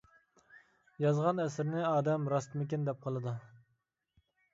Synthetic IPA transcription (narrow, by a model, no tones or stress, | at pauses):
jɑzʁɑnɛsɪɾnɪɑːd̪ɛmɾɑst̪mɪkʲind̪ɛp̚qʰɑlˠɨd̪u